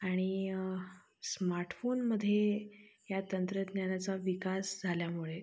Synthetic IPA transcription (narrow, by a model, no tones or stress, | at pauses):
aɽ̃i | smaɾʈfonməd̪ʱːjejat̪ənt̪ɾət̪njanat͡saʋikasd͡zʱaljamuɭe